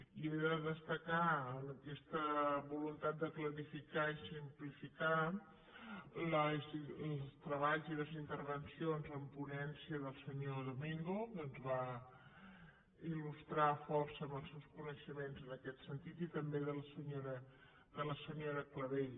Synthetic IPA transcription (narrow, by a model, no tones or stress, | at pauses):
ieðəðəst̪əkaənəkɛst̪əβulunt̪at̪̚d̪əkləɾifikaisimplifika | ləzˠst̪ɾəβaʎziləzint̪əɾβənsionzəmpunɛnsiəðəlˠsəɲoðumiŋɡokəənzβa | ilust̪ɾafɔrsəməlˠsɛwskunəʃəmenzənəkɛt̪sənt̪it̪it̪əmbeðələsəɲoɾə | d̪ələsəɲoɾəkləβeʎ